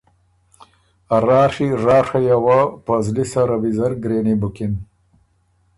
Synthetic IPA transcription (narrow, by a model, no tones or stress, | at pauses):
aɾaːʂiʐaːʂajawapɐzlisaɾɐbizɐɾɡɾeːnibukin